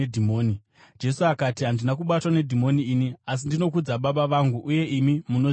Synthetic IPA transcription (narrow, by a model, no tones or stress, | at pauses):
dʱimoːni | d͡ʒe̞suakatiɦandinak̬uɓatwane̞dʱimo̞niːnias̬indino̞k̬ud͡zaɓaɓaʋaŋɡuʔuje̞ʔimimuno